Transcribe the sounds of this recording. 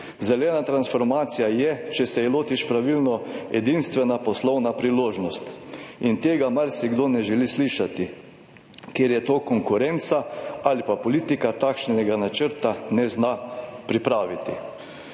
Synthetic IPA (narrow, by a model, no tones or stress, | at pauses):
zɛlɛːnat̪ɾansfɔɾmaːt̪sijajɛt͡ʃɛsɛloːt̪iʃpɾaʋilnɔɛ̰d̪inst̪ʋɛnapɔslɔwnapɾiloːʒnɔst̪int̪eːɡamaɾsiɡd̪onɛʒɛlisliːʃat̪i | keːɾjɛt̪oːkɔŋkʊɾɛnt̪saalipapɔliːt̪ikat̪akʃnɛɡanat͡ʃəɾt̪anɛznapɾipɾaːʋit̪i